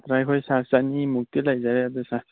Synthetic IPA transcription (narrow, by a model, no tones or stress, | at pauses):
t̪ɾajkʰojsasdanimuk̚t̪ilaɡzaɾɛat̪esãs